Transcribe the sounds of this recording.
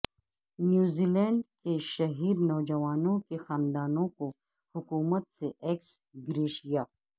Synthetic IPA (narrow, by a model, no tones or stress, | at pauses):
njuːziːlɛ̃ːɳɖkeʃɐɦiːɾnɔːd͡ʒɐʋaːnõkexaːnd̪aːnõko | hʊkuːmət̪seʔeːks | ɡɾeːʃijaː